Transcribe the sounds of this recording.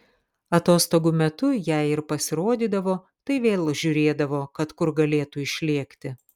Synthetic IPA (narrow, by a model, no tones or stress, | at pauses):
ɐt̪oːst̪oːɡumʲɛt̪ʊjæɪɪɾpɐsʲɪɾoːd̪ʲiːd̪ɐʋoː | t̪ɐɪʋʲeːlˠʒʲʊɾʲeːd̪ɐʋoːkɐt̪kʊɾɡɐlʲeːt̪uɪʃʲlʲiɛkt̪ʲɪ